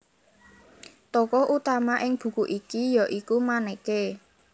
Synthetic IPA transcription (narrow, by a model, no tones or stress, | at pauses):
t̪ɔkɔʔut̪amaʔɪŋb̥ṳkuʔikijɔʔikumanɛke